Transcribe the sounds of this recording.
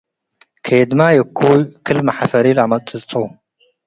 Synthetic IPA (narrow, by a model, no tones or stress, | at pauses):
kʰed̪majəkʰːujkʰɨlmaħafɐɾiːlamɐt̪ʼɨt͡sʼo